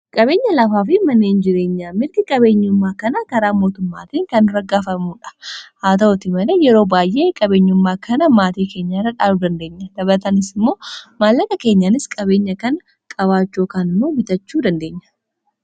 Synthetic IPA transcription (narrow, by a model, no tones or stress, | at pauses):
kʼɐbe̞ːɲːɐlɐfaːfɪmɐnːeːnd͡ʒɪɾe̞ːɲːaːmɪɾɡ̪ɪkʼɐbe̞ːɲːʊmːaːkɐnɐkɐɾaːmo̞ːt̪ʊmːa̰ːt̪iːŋkɐnɪrːɐɡaːfɐmuːᶑɐ̥haːt̪ɐɔt̪ɪmɐleːjɛɾo̞ːbaːjʔe̞ːkʼɐbe̞ːɲːʊmːaːkʰɐnɐmaːt̪iːke̞ːɲːaːrːɐᶑaːlud̪ɐnd̪eːɲːɐd̪̥ɐbɾt̪ɐnɪsɪmːo̞ːmaːlːɐk̪ɐke̞ːɲːaːnɪskʼɐbe̞ːɲːɐkɐnɐ | kʼɐβaːt͡ʃːo̞ːkaːnɪmːoːbɪt̪ɐt͡ʃːuːd̪ɐnd̪e̞ːɲːɐ̥